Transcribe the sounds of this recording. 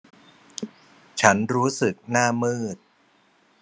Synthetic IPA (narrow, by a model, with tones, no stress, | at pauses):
t͡ɕʰa˦˥nɾuː˦˥sɯ˨˩k̚naː˥˩mɯː˥˩t̪̚